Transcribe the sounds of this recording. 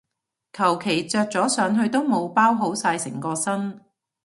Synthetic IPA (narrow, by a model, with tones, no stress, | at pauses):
kʰɐ˨˩wkʰe˨˩jt͡sœː˧k̚t͡sɔː˨˥sœː˨˧ŋɦɵ˧ɥt̪o˥wmo˨˧wpaː˥wɦo˨˥wsaː˧jsɪ̰˨˩ŋkɔː˧sɐ˥n